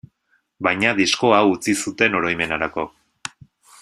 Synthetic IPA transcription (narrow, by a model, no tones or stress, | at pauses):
bajɲaðisko̞awut͡sisut̪e̞no̞ɾo̞jme̞naɾako̞